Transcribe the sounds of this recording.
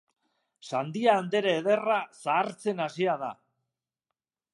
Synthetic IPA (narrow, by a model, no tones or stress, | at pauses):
sand̪iaːnd̪e̞ɾeːðe̞rasaːɾt͡se̞nasiaða